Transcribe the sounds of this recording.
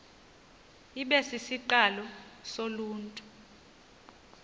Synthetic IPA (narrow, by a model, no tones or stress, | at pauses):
iɓɛsisiǃalɔsoluːntʼu